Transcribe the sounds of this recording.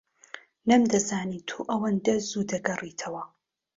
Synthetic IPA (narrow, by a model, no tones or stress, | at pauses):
nɐmd̪ɐzaːniːt̪ʰoʔɐwɐnd̪ɐzuːd̪ɐɡɐrit̪ʰɐwɐ